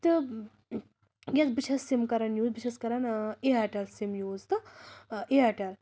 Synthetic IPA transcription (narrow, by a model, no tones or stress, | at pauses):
t̪ɨ | jʲɐt͡sbit͡ʃʰesːimkɐɾɐnjuːzbiʃʰeskɐɾɐneɦɐʈɐlsimjuːzt̪ɨ | eɦɐʈɐl